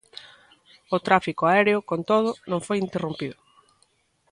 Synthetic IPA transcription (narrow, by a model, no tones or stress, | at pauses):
ʊt̪ɾafikoaɛɾeʊkont̪oðʊnõŋfojint̪erumpiðʊ